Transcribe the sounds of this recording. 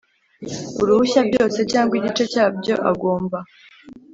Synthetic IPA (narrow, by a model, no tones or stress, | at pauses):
uɾuβuçabjo̞ːse̞caːŋɡwiɟit͡ʃe̞caːbɟo̞̰ʔaɡo̞ːmba